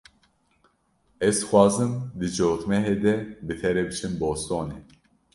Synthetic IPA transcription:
ɛzxwɑːzɨmd̪ɨd͡ʒoːt̪mɛɦeːd̪ɛbɨt̪ʰɛɾɛbɨt͡ʃʰɨmboːst̪oːne

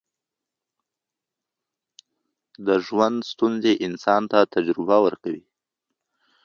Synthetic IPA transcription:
d̪əʒwand̪st̪unzeʔɪnsɑnt̪at̪ad͡ʒɾɪbawəɾkawi

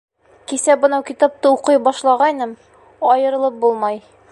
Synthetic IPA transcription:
kisæbɤ̆nɑwkʲit̪ap̚t̪ɤuqɤjbɒʃlˠɑʁɑjnɤm | ɒjɤ̆ɾɤ̆lˠɤp̚bulˠmɑj

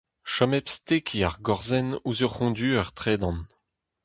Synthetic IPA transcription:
ʃɔmɛpst̪ekʰiaʁɡɔʁzɛnuzøʁχɔ̃d̪yːœʁt̪χeːd̪ɑ̃n

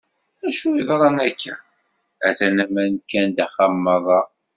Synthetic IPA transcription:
æʃuiðˤɾˤɑnækʰːæ̰ | æθænæmænkːænd̪æχɑmːɑðˤɑ

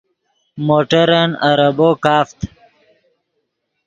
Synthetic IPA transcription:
moːʈəɾənɐɾəboːkaːft̪

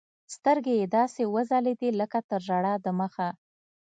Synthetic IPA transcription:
st̪əɾɡejed̪ɑsewəzaled̪iləkat̪əɾʒaɽad̪əməxa

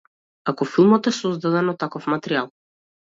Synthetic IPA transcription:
akɔfilˠmɔt̪ɛsɔzd̪ad̪ɛnɔt̪ːakɔfmat̪ɛɾialˠ

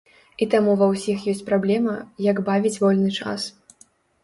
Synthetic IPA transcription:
it̪amuvɐwsʲixjɔsʲt͡sʲpɾablʲɛmɐjɐɡbavʲit͡sʲvɔlʲnɨt͡ʂa̰s

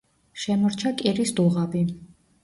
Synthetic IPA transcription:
ʃɛmɔɾt͡ʃʰakʼiɾisd̪uʁabi

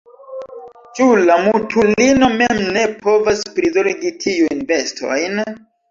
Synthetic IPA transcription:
t͡ʃulamutʰulino̞me̞mne̞po̞vaspɾizoɾɡitʰiujnbe̞stʰo̞̰jn

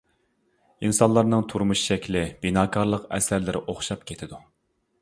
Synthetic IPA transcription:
insɑnlˠɑɾnɨŋt̪ʰuɾmuʃʃɛkʲlɪb̥inɑːkʰɑɾlˠəqɛ̰sæɾlɪɾɪʔoχʃɑp̚kʲʰet̪ʰɪd̪u

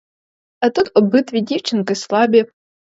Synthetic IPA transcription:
ɐt̪ut̪ɔbɨt̪vʲidʲiwt͡ʃɪnkɨslˠabʲi

